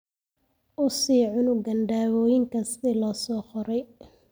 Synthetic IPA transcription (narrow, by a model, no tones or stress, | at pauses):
ʔʊsiːʕʊnʊɡɐnɖaːwɔːjɪŋkʰɐst̪ɛlɐsɔːχɔɾɛj